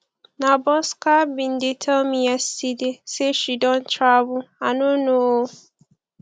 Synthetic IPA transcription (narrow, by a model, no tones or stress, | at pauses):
nãbɔskabĩndetʰɛlmĩasideseʃidɔ̃ntʰɾabʊanʊ̃nõo